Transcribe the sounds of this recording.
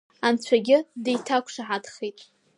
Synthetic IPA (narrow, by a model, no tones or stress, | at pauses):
ant͡ɕʷʰaɡʲɪdejtʰakʷʰʂaʕadχejtʼ